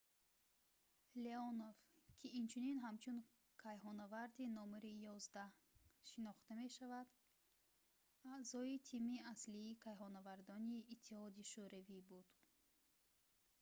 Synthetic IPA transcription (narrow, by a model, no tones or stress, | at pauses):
leɔnovkʰiːnt͡ʃʰuninɦamt͡ʃʰun | kʰajɦɔnavaɾd̪inɔmɾijɔzd̪ah | ʃinɔχt̪ame̞ʃavad̪ | azɔit̪ʰimiasliːkʰajɦɔnavaɾd̪ɔniːt̪ʰːihɔd̪iʃuɾavibud̪̥